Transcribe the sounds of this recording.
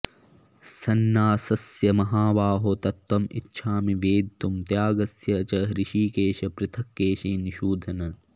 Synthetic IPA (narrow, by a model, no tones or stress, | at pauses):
sɐnːaːsɐsjɐmɐɦaːʋaːɦot̪ɐt̪wɐmḭtːʃʰaːmiʋeːd̪t̪umt̪jaːɡɐsjɐt͡ʃɐɦɾɪʃiːkeːʃɐpɾɪt̪ʰɐkːeːʃiniʃuːd̪ʱɐnɐ